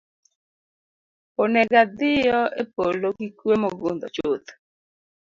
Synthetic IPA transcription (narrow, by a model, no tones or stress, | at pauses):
onɛɡad̪ɪjɔepolokikwemɔɡʊnd̪ɔ̰t͡ʃot̪